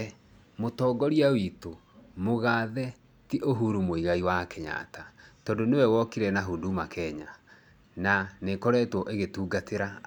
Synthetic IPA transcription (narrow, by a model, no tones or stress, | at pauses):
motɔːɡɔɾiawito | moɣaːðɛ | tiʔoɦuɾumoiɣaiwakɛɲa̰tatɔndonewɛwɔkiɾɛnaɦuːndumakɛɲa | nanekoɾɛːtwɔʔeɣetuːɡatʰeɾa